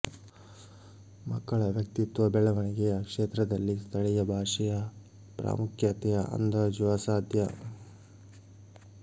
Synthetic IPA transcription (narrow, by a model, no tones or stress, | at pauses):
mɐkːɐɭɐʋjɐk̚t̪it̪ʋɐbɛɭɐʋɐɳiɡɛjɐkʂeːt̪ɾɐd̪ɐlːist̪ʰɐɭɛjɐbʱaːʂɛjɐ | pɾa̰ːmukʰjɐt̪ɛjɐʔɐ̰nd̪ɐd͡ʒuʋɐsaːd̪ʱjɐ